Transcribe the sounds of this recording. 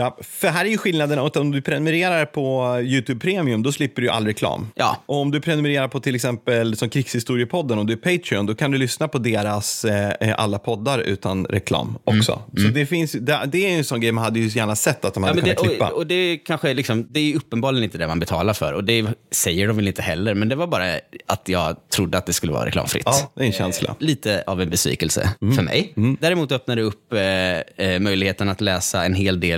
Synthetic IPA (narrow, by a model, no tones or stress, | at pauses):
jɑfœɖɛɦæːɾæɾjɵɧɪlnad̪ənɔt̪ɔmd̪ɵpʰɾɛnɵmɛɾeːɾaɾpʰɔjʉ̟ːt̪ʰʉːb̚pʰɾeːmɪɵmd̪ɔslɪpːəɖɵjɵʔa̰lːɾɛkʰlɑ̰ːmɑ̰ːʔɔɔmd̪ɵpʰɾɛnɵmɛɾeːɾaɾpʰɔt̪ʰɪlːɛksɛmpəlsɔmkʰɾɪkshɪst̪uːɾɪəpʰɔd̪ːənɔmd̪ɵæɾpʰeɪt̪ʰɾɪɔnd̪ɔkʰand̪ɵlʏsnapʰɔd̪eːɾasʔa̰lːapʰɔd̪ːaɾʉ̟̰ːt̪anɾɛ̰kʰlɑ̰ːmʔɔksɔ̰sɔd̪ɛfɪnsjd̪ɛd̪ɛæɾjɛnsɔnːɡɾɛjmanhad̪ːəjɵjæːɳasɛt̪ːat̪d̪ɔmhækk̪ːk̪ɪːa̰ɔd̪ɛkʰanɧəlɪksɔmd̪ɛæɾjɵɵpːənbɑːɾlɪənɪnt̪əd̪ɛmanbɛt̪ʰɑːlaɾfœ̰ɾɔd̪ɛsɛjːəɖɔmvɛlɪnt̪əɦɛlːəɾmɛnd̪ɛvaɾbɑːɾaat̪jɑːɡt̪ʰɾʊd̪ːəat̪̚d̪ɛskɵlːəvɑ̰ɾaɾɛ̰klɑ̰ːmfɾɪ̰t̪ːd̪ɛɛnɕɛ̰nsla̰liːt̪əavɛnbɛsvḭːkɛlsə̰fœɾmɛ̰jd̪æːɾɛmuːt̪œpnad̪ɛɵpː | mœjlɪɡheːt̪ənat̪lɛːsaɛnɦeːld̪eːl